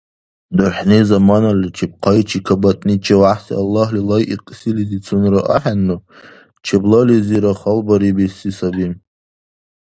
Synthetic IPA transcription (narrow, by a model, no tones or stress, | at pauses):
dɨħnezamanalit͡ʃʰip̚qʰajt͡ʃʰikʰabatʰʼnit͡ʃʰawaħsḭalːaɦlilajʔiqʼsilizit͡sʰunraʔa̰ħanːu | t͡ʃʰeblaliziɾaχalbaɾibesisabim